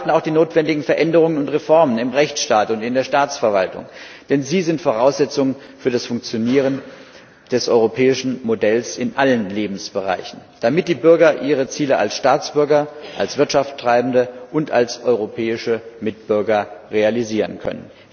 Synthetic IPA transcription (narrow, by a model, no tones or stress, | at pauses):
tn̩aʊxd̥iːnoːtv̥ɛndɪɡŋ̩fɛɐʔɛndəʁ̞ʊŋənʊntʁefɔɐmənɪmʁɛçt͡sʃtaːtʊntɪndeːɐʃtaːt͡sfɛɐvaltʊ̰ŋd̥ɛnziːzɪntfoʁaʊsz̥ɛt͡sʊŋənfyːɐdasfʊŋk̚t͡sjoniːʁ̞ən | d̥ɛsʔɔʏʁopʰɛːɪʃn̩modɛlsɪnʔalənleːbm̩sb̥əʁa̰ɪçn̩d̥amɪt̚d̥iːbʏɐɡɐʔiːʁ̞ət͡siːləa̰lsʃtaːt͡sb̥ʏɐɡɐʔalsv̥ɪɐtʃafttʁ̥aɪbn̩dəʔʊnta̰lsʔɔʏʁopʰɛːɪʃəmɪt̚b̥ʏɐɡɐʁealiziːʁənkʰœ̰nə̰n